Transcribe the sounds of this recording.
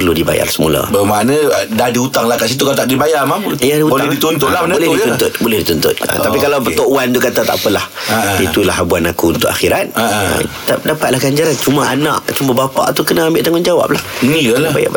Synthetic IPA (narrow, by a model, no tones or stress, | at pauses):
pərludiba̰ja̰rsəmṵla̰bəmanədahdiut̪aŋlakas̬it̪ukat̪aʔdibajamamujadiuldit̪unt̪ʊt̪labolɛhiunt̪ʊt̪̚bolɛhdit̪unt̪ʊ̰t̪̚a̰t̪apikalapət̪oʔuant̪ukat̪at̪a̰ʔpəlah | ait̪ulahabuanakuːnt̪ʊʔaxiɾat̪̚a̰t̪adapat̪̚lahɡaɲd͡ʒaɾant͡ʃumaana̰ʔt͡ʃumabapa̰ʔt̪ukənaambɪʔt̪aŋʊnd͡ʒawa̰p̚lahiəlaba̰ja̰b